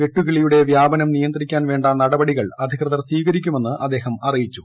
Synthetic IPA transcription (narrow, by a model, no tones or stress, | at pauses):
ʋeʈːuɣiɭijuɽe̞ʋjaːbɐnɐmnijɐnd̪rikʲːaːnʋe̞ːɳɖanɐɽɐbɐɽiɣɐɭɐd̪ʱiɣrɐðɐrsiːɡɐɾikʲːume̞nːɨʔɐd̪ːe̞ːɦɐmɐrijit͡ɕːu̥